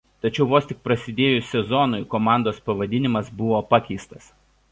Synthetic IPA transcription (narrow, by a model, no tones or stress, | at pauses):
t̪ɐt͡ʃʲɛʊʋoːsʲt̪ʲɪk̚pɾɐsʲɪd̪ʲeːjʊsʲɛzɔnʊjkomɑˑnd̪oːspɐʋɐd̪ʲɪnʲɪmɐsbʊʋoːpɑkʲɛɪst̪ɐs